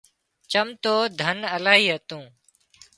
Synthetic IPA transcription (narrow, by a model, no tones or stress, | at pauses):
t͡ʃəmt̪oːd̪ʱənəlaːɦiːɦət̪ũː